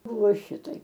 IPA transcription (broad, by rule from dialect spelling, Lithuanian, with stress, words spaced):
ˈbʊʋoː ˈʃʲɪtɐɪp